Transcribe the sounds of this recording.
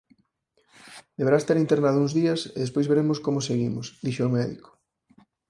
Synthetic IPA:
d̪eβeɾast̪eɾint̪eɾnaðʊuŋzðiɐsḛðespojzβeɾemʊskomoseɣimʊsd̪iʃomɛðḭko̥

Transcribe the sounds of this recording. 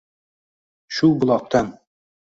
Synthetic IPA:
ʃulˠbŏlˠɑq̚t̪ɑn

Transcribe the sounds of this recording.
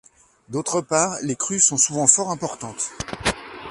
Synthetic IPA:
d̪ot̪χəpaːʁlekχysɔ̃suvɑ̃fɔʁɛ̃pɔʁt̪ɑ̃t̪

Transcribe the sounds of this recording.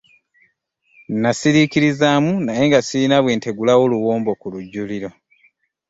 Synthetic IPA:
nnasiɾikiɾizamunaje̞ŋɡasiɾinaβwe̞ːnte̞ɡulawoluwoːmbo̞kuluɟːuliɾo̞

